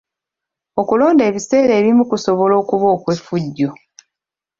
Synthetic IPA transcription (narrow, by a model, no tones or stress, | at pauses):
o̞kulo̞ːnde̞ːβise̞ːɾeːβimukusoβo̞lo̞ːkuβoːkwefuɟːo